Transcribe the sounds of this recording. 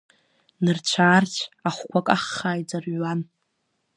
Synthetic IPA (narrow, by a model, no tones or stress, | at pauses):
nɨrt͡ɕʷʰaːrtʰaχʷkʷʰakʼaχːaːjd͡zaran